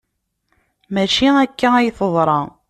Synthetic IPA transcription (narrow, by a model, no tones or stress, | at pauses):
mæʃiækːææjθəðˤɾˤɑ